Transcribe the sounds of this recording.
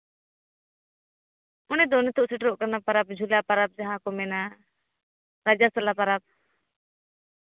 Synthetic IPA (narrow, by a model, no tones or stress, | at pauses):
ɔnɛd̪ɔnɛt̪ʰɔʔsɛʈɾɔʔkanapaɾap̚d͡ʒʱulapaɾap̚d͡ʒaɦãkɔmɛna | ɾad͡ʒast̪alapaɾap̚